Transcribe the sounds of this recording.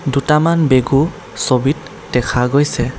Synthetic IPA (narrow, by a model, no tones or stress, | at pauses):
dutamanbeɡu | sobit | dɛkʰaɡojsɛ